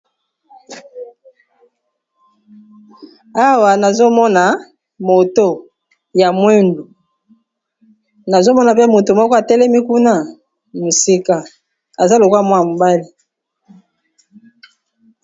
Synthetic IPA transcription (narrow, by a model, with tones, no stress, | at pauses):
a˦wa˨na˨zo˦mɔ˦na˨ | mo˨to˦ | ja˨mwe˦ndo˨ | na˨zo˦mɔ˦na˨pe˦mo˨to˨mɔ˦kɔ˦a˨tɛ˦lɛ˦mi˦ku˦na˦ | mo˨si˦ka˨ | a˨za˦lo˨kmwa˦ja˨mo˨ba˦li˦